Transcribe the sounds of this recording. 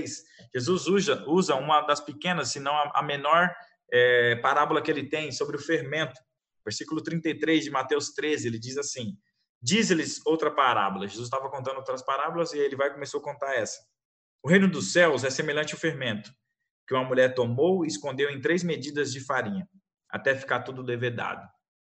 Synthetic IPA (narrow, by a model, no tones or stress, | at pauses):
js | ʒ̥ezuzuzɐuzɐũmɐd̪ɐspɪkẽnɐsːɪnɐ̃w̃ɐʔɐ̰menɔɾ | ɛpaɾabʊlɐkɪelɪt̪ẽj̃sobɾɪʊfeɾmẽnt̪ʊ̥ | veɾsikulʊt̪ɾĩnt̪ɐjt̪ɾezd͡ʒɪmat̪ewst̪ɾezɪelɪd͡ʒizasĩ | d͡ʒizelɪzowt̪ɾɐpaɾa̰bʊlɐʒezus̬t̪avɐkõnt̪ɐ̃d̪owt̪ɾɐspaɾabʊlɐzɪelɪvajkõmesowɐkõnt̪aɾɛsɐ̥ | ʊɦẽj̃nʊd̪ʊsɛwzɛsemeʎɐ̃t͡ʃɪʊfeɾmẽnt̪ʊ̥ | kɪũmɐmuʎɛɾt̪omowɪɪskõnd̪ewẽj̃t̪ɾezmed͡ʒid̪ɐzd͡ʒɪfaɾĩɲɐ | a̰t̪ɛfi̥kat̪ud̪ʊd̪eved̪a̰d̪ʊ